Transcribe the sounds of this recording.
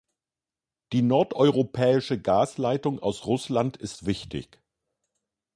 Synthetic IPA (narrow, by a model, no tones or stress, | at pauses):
d̥iːnɔɐtʔɔʏʁopʰɛːɪʃəɡaːslaɪtʊŋa̰ʊsʁʊslantɪstv̥ɪçtɪ̰ç